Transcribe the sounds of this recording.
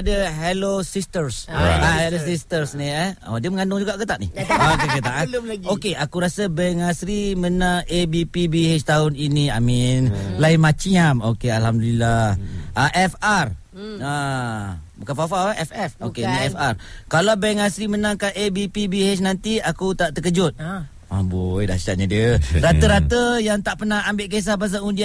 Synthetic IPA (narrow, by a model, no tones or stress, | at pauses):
adəɦelosist̪ərsa̰aelosist̪ərsniɛa̰dəməŋandʊŋd͡ʒuɡaʔkət̪aʔnḭak̪əkət̪aʔaɡokeʔakuɾasəbɛŋasɾimənãŋebipibihet͡ʃt̪aʊninia̰mĩnlainmat͡ʃiamokealhamdulilahʔaʔɛfar | a | bukanfafawaʔɛfɛfokeniɛfarkalawbɛŋasɾimənãŋkanʔebipibihet͡ʃnant̪iakut̪aʔt̪əkəd͡ʒʊt̪̚ | a̰bojda̰si̥t͡ʃaʔ̚ɲadiəɾat̪əɾat̪əjaŋt̪aʔpənahambeʔkes̬ahbas̬aundia